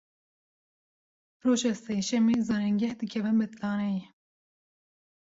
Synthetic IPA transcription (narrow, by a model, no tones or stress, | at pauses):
ɾoːʒɑːseːʃɛmeːzɑːɾɛŋɡʲɛhd̪ɨkʲʰɛvɨnbɨt̪lɑːnɛjɛ